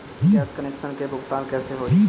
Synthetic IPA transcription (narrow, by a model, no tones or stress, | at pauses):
iɛːskəneːkʃənkebʱʊɡt̪aːnkɛːseɦoi